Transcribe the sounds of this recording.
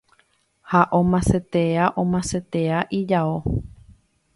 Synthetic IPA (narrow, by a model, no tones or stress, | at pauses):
haʔõmãset̪eaʔõmãset̪eaʔid͡ʒao